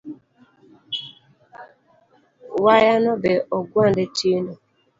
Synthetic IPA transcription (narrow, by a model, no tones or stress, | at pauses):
wajanɔbɛʔɔɡwandetinɔ